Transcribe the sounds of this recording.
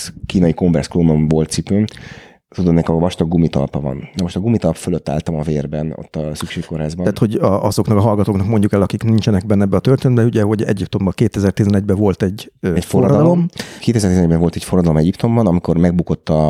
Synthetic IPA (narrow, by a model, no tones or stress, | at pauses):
kiːnɒjikoɱbɛ̰rskloːnoɱvolt̪sipøːn | t̪ud̪omnɛkvɒʃt̪ɒɡɡumit̪ɒ̰lpɒvɒ̰nnɛmo̞ʃt̪ɒɡumit̪ɒlpføløt̪ːa̰lt̪ɒmɒveːrbɛno̰t̪ːɒsykʃeːkːo̞rhaːzbɒt̪ho̞ɟɒʔɒzo̞knɒkɒɦɒlɡɒt̪oːknɒkmo̞ɲɟukɛlɒkiknint͡ʃɛnɛɡ̚bɛnːɛbːɛːt̪ørt̪eːnɛt̪bɛuɟɛɦo̞ɟɛ̰ɟipt̪o̞mbɒkeːt̪ɛzɛrt̪izɛnɛɟ̚bɛvo̞lt̪ɛɟːɛforːdːd̪d̪ɒlo̞mkeːt̪ɛzɛrt̪izɛnɛɟbɛɱvo̞lt̪ɛcforɒd̪ɒlo̞mɛɟipt̪o̞mbɒnɒmikormɛɡ̚buko̞t̪ːɒ